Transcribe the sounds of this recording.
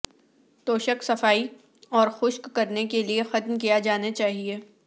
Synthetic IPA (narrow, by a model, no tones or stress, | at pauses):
t̪oːʃəksɐfaːi | ɔːɾxʊʃkːɐɾnekeliexɐt̪mkijad͡ʒaːnat͡ʃaːɦieː